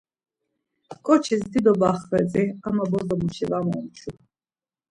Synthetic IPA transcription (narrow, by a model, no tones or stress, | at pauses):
kʼɔt͡ʃʰisd̪id̪ɔbaχvɛd͡zɛamabɔd̪ɔmuʃɛvamɔmt͡ʃʰu